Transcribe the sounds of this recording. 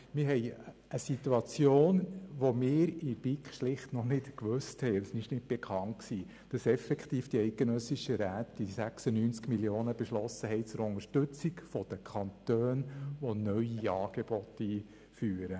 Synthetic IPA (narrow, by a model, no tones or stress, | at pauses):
mɪɾɦɛj | əsituɑt͡sjoːnʋɔmɪːɾib̥ikχʃlɪχtnɔnɪtkʋøsthɛɪsnɪʃnɪt̚b̥ɛkʰχɑnt̚ksiː | d̥ɑsɛfɛkt̪iːfd̥iɛɪtɡ̥enœsiʃəɾæːt̪isæksənyːnt͡skmiljoːnəbɛʃlɔsːəɦɛɪt͡sʊɾʊŋəɾʃtɵt͡siɡfɔd̥̪əkʰɑnt̪øːnʋɔnœɥiɑːɡ̥eb̥ɔtːiː | fyːɾə